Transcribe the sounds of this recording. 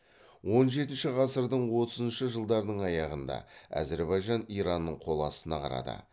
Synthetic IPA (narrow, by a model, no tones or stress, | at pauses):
wo̞nʒe̞t̪ɪnʃɪʁɑsəɾd̪əɴwo̞t̪əzənʃəʒəlˠd̪ɑɾənəɴɑjɑʁənd̪ɑ̰æ̰zeɾbɑjʒɑnijɾɑnːəɴqʰo̞lˠɑsənɑqʰɑ̰ɾɑ̰d̪ə̰